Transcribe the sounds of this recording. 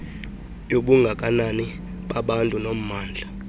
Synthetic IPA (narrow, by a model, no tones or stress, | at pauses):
joɓuŋɡʱak̬ʼanani | ɓaɓantʼunom̩maːnd͡ɮʱa